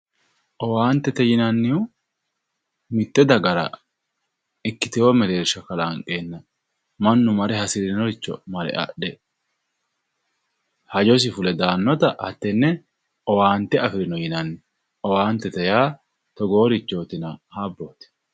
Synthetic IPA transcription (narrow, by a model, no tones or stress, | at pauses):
ʔɔwaːnt̪ːɛt̪ɛjɪnɐnːɪʊ | mɪt̪ːɛd̪ɐɡɐɾɐ̰ | ɪkːɪt̪ɪjoːmɛle̞ːɾʃɐkɐlaŋkʼeːnːɐ | mɐnːʊmɐɾɛhɐsɪɾɪnɔɾɪt͡ʃːɔ̰mɐɾɛ̰ʔɐ̰ɗɛ | hɐd͡ʒɔs̬ɪfʊlɛd̪aːnːɔt̪ɐʔɐt̪ːɛnːɛ | ʔɔwaːnt̪ːɛɐfɪɾɪnɔjɪnɐnːɪ | ɔwaːnt̪ːɛt̪ɛjaː | t̪ɔɡo̞ːɾɪt͡ʃːoːt̪ɪnɐhaːbːoːt̪ɪ̥